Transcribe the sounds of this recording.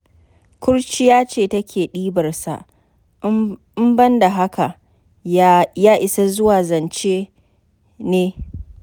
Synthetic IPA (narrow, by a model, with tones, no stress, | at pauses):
kʷʊ˦ɽt͡ʃi˦jaː˦t͡ʃeː˦˨tɐ˦kʲeː˨ɗiː˦bɐ˨rsa̰˨ʔ | ɪ˦mbɐ˦nda˨ɦa˦ka˨ | jaː˦ʔɪ˨sa˦zʊ˦waː˨zɐ˨nt͡ʃeː˦ | neː˦